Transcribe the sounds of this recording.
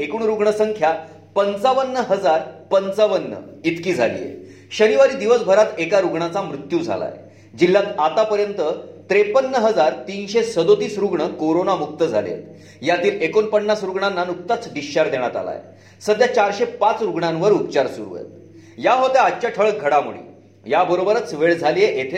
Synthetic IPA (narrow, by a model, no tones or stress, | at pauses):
ekuːɳɾuɡɳəsəŋkʰja | pənt͡saʋənːəɦəd͡zaɾpənt͡saʋənːə̰it̪kiːd͡zʱa̰lḭːjḛ | ɕəniʋaɾiːd̪iʋəsbʱəɾat̪ekaɾuɡɳat͡samɾut̪jud͡zʱa̰la̰j | d͡ʑilːãt̪at̪apəɾjənt̪ət̪ɾepənːəɦəd͡zaɾt̪iːnɕesəd̪ot̪iːsɾuɡɳəkoɾonamuk̚t̪əd͡zʱa̰lḛ | jat̪iːlekonpənːasɾuɡɳanːanuk̚t̪at͡sɖiɕaɾd̪eɽ̃at̪a̰la̰j̰ | səd̪ʱjat͡ɕaɾɕepat͡sɾuɡɳãnʋəɾupt͡ɕaɾsuɾṵjḛt̪ | jaɦot̪eat͡ɕjaʈʰəɭɡʱəɽamṵɭḭ | jabəɾobəɾət͡sʋeɭd͡zʱalijeʔet̪ʰe